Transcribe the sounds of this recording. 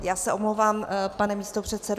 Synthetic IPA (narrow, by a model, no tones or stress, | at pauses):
jaːsɛʔo̞mlowvaːmpanɛmiːst̪o̞pr̝̥ɛt̪sɛdo